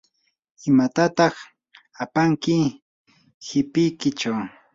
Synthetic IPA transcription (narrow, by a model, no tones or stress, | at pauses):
ɪmat̪at̪ɑχ | apaŋkɪ | hɪpɪjkɪt͡ʃaw